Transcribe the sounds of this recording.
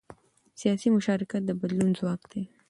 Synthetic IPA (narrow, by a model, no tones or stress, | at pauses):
sijɑsimʊʃɑɾɪkat̪̚d̪əbad̪lunzwɑkd̪e